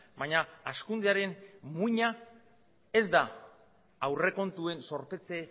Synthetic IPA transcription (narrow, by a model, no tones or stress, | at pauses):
bajɲaːskund̪eaɾe̞nmuɲa | e̞zd̪a | awre̞ko̞nt̪ue̞nso̞ɾpe̞t͡se̞